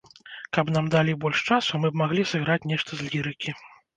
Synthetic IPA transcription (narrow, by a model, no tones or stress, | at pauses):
kɐbnamd̪alʲibɔlʲʂt͡ʂasumɨbmaɣlʲisɨɣɾat͡sʲnʲɛʂt̪ɐzlʲiɾɨkʲʰi